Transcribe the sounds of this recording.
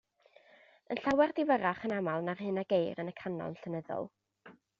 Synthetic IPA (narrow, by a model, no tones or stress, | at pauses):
ənɬawɛrdɪvəɾaχənamalˠnarhɨnaɡejɾənəkʰanɔ̰nɬənəðɔ̰lˠ